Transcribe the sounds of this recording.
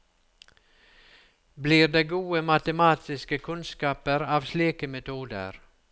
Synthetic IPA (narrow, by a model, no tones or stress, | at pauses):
bliːɾd̪eːɡuːəmɑt̪əmɑːt̪ʰɪskəkʰʉnskɑːpəɾɑːʋsliːkəmɛt̪ʰuːd̪ə̰ɾ